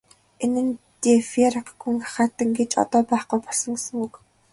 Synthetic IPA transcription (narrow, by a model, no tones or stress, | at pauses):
enɘ̆nt̪efeɾaqɡuŋḁχaːt̪ːə̆ŋɡet͡ɕɔ̰t̪ɔːpæːχqujpɔɮsɞ̆ŋesɵ̆ŋuk